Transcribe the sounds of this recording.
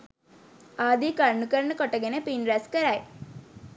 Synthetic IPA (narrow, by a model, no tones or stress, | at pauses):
aːd̪iːkaɾnukəɾənəkoʈəɡenəpinɾæskəɾaj